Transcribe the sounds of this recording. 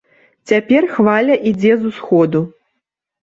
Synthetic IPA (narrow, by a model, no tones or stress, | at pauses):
t͡sʲapʲɛrxvalʲɐʔid͡zʲɛzusxɔd̪u